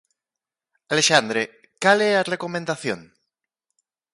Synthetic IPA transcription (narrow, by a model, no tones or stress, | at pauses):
aleʃand̪ɾe | kalearekomẽnd̪aθjo̰n